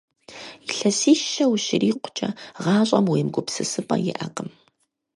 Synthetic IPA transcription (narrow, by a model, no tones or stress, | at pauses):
iɬɐsiːʃɐwʃɪɾiːqʷʊ̥t͡ʃʼɐʁɑːɕʼɐmweːmɡʷʊpsɨsɨpʼɐ̰jɪ̰ʔɐqʼəm